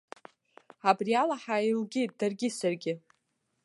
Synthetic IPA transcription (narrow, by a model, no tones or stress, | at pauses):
abrialaħailɡʲit̚d̥arɡʲɪsarɡʲɪ